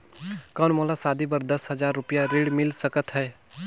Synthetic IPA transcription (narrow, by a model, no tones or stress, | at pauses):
kəːnmoːlasaːd̪ibəɾd̪əsɦɐzaːɾːʊpijaɾeːɽmɪlsəkət̪ɦɛː